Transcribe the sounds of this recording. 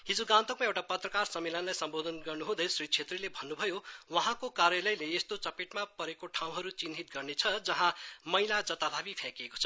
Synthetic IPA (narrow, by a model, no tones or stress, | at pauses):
ɦid͡zuɡãnt̪əkmaewʈapʌt̪rʌkarsʌmːelʌnlajsʌmbod̪ʱʌnɡʌrnuɦũd̪ʌjsrit͡sʰet̪rilebʱʌnːubʱʌjowʌɦãkokarjʌlʌjleːst̪ot͡sʌpeʈmapʌɾekoʈʰãw̃ɦʌɾut͡sinɦit̪̚ɡʌrnet͡sʰʌd͡zʌɦãmʌjlad͡zʌt̪ab̪ʱabipʰãkeko̥t͡sʰʌ̥